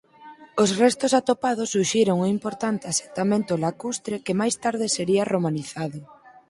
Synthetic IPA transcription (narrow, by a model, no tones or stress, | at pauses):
osrɛst̪ʊsat̪opaðʊsːuʃiɾoŋuimpoɾt̪ant̪ease̥nt̪amẽnt̪ʊlakust̪ɾekemajst̪aɾðɪseɾiɐromaniθaðʊ